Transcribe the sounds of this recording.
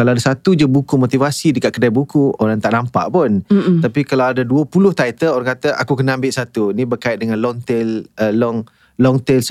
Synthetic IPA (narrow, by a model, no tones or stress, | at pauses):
kalaadasat̪ud͡ʒubukumot̪ivasidəkaʔkədajbukuoɾaŋt̪aʔnampa̰ʔpʊnapikalawadaduəpulʊht̪ait̪əloɾaŋkat̪əʔa̰kukənəambɪʔsat̪unĩbərkaɪt̪̚dəŋãnlɔŋt̪eləlɔŋ | lɔŋt̪ɛls